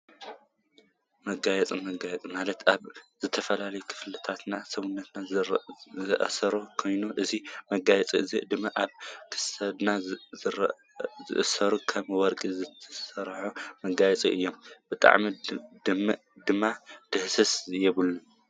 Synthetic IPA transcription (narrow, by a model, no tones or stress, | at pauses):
mɐɡajɛt͡sʼimɐɡajɛt͡sʼimalɐt̪ʔaβzɨt̪ʰɐfɐlalɐjukʰɨ̥flɨt̪ʰat̪nasɐβunːɐt̪na | zɨʔɐ̰sɐɾokʰo̞jnuʔɨzimɐɡajɛt͡sʼḭɨzid̪ɨmːaʔaβkʰɨ̥sɐd̪na | zɨ̰ʔɨsɐɾukʰɐmwɔɾkʼizɨt̪ʰɐsɐɾħumɐɡajɛt͡sʼiʔɨjːo̞mbɨt̪ʼa̰ʕmid̪ɨm | d̪ɨmːad̪̥ɨhsɐsjɛβɨlːu